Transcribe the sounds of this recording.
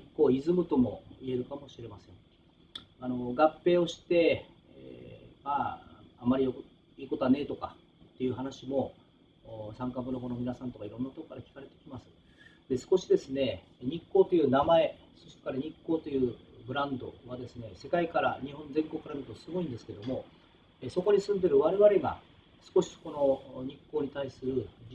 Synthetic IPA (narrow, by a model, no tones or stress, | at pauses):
ikːo̞ːizɨmɯ̟t̪o̞mo̞̰ie̞ɾɯ̟kamo̞ɕiɾe̞masẽ̞ŋ | ano̞ɡapːe̞ːo̞ɕi̥t̪e̞̰ | maːamaɾʲiok | iːko̞t̪oane̞ːt̪o̞ka | t̪ːe̞jɯ̟ɦanaɕimo̞ | sãŋkabɯnoɡono̞mʲinasãnt̪o̞kaiɾõ̞nːat̪okokaɾakʲi̥kaɾe̞t̪e̞̥kʲimasɨ̥ | d̪̥e̞sɨ̥ko̞ɕid̪e̞sɨne̞ | ɲ̟ikːoːt̪o̞jɯ̟ːnamae̞ | so̞ɕt̪kaɾaɲ̟ikːo̞ːt̪ojɯ̟ːbɯ̟ɾãnd̪o̞̰β̞ad̪e̞sɨne̞se̞kaikaɾa̰ɲ̟iɦõnd͡zẽ̞ŋko̞kːɯkːɾanɯt̪osɨɡo̞ĩnd̪e̞sɨ̥ke̞d̪o̞mo̞ | eso̞ko̞ɲ̟isɨ̃nd̪e̞ɾɯ̟βaɾe̞βaɾʲeɡa̰ | sɨ̥ko̞ɕi̥so̥ko̞no̞ɲ̟ikːo̞ːɲ̟it̪aisɨɾɯ̟